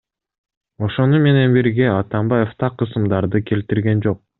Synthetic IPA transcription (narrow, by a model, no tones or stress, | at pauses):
o̞ʃo̞nume̞ne̞nbiɾɡe̞ɑt̪ɑmbɑje̞ft̪ʰɑqʰːɯsɯmd̪ɑɾd̪ɯkʲʰe̞lt̪iɾɡe̞nd͡ʒo̞q̚